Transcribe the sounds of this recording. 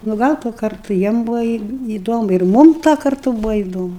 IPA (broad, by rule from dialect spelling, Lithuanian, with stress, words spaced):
nʊ ˈɡɐlˠ tuɔ ˈkɐrtʊ ˈjiɛm ˈbuːʋoː iː iːˈdoːmʊ ɪr ˈmʊm tuɔ kɐrˈtʊ ˈbuːʋoː iːˈdoːmʊ